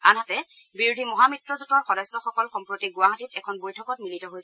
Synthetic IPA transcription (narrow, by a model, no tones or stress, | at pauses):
anɦatɛ | biɹudʱimɔɦamitɹɔzutɔɹxɔdɔsːɔxɔkɔlxɔmpɹotiɡʊaɦatitɛkʰɔnbojtʰɔkɔtmilitɔɦojsɛ